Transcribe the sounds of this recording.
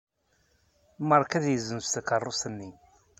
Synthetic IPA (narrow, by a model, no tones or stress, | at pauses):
məɾˤkæðjəzːənst̪əkərˤːʊsənːi